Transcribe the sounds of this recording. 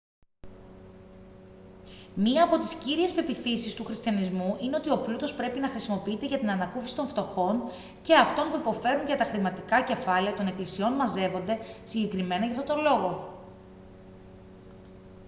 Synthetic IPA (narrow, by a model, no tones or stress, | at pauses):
miɐːpo̞t̪isciɾie̞spe̞piθisist̪uxɾist̪çɐnizmuʔine̞o̞t̪io̞plut̪o̞spɾe̞pinɐxɾisimo̞piit̪e̞ʝɐt̪inɐnɐkufisi̥t̪o̞ɱft̪o̞xo̞n | ce̞ɐft̪o̞npuipo̞fe̞ɾuɲʝɐt̪ɐxɾimɐt̪ikɐce̞fɐleɐt̪o̞ne̞klisio̞nmɐze̞vo̞nd̪e̞siɲɟe̞kɾime̞nɐʝɐft̪o̞t̪olo̞ɣo̞